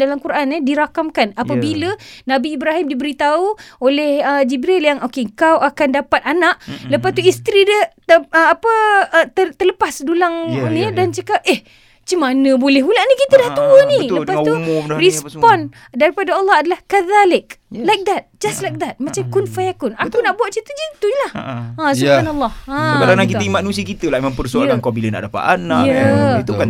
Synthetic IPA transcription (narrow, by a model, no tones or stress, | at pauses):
dalamkuɾʔanidiɾakamkanapəbilənabiːbɾaɦimdibəɾit̪auolɛhəd͡ʒibɾiljaŋokeəŋkawʔakandapat̪̚anaʔləpast̪uist̪ɾidət̪əapət̪ət̪ələpasdulaŋnidant͡ʃəkap̚ʔɛh | t͡ʃimanə̃bolɛhmulaʔnikit̪ədaht̪uənĩləpast̪umɾispɔn | daɾipadaalːɑhadalahkəðalɪk̚lajk̚d̪at̪̚d͡ʒastlajk̚d̪at̪̚mat͡ʃamkunfajakʊnakunaʔbuwat̪̚t͡ʃit̪ud͡ʒit̪uɲlahasubbhanalˠːɑhãkadanaŋkit̪əimanũsiəkit̪əlaʔimãŋpərsoaɾankabiləna̰ʔdapa̰t̪anãkəit̪ukan